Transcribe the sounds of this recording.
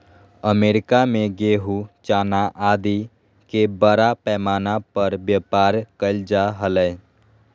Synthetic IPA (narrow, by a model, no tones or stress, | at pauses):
əmeːɾɪkamẽɡeːɦut͡ʃaːnaʔaːd̪i | kebəɾapɛːmaːnapəɾbjəpaːɾkəld͡ʒaɦələ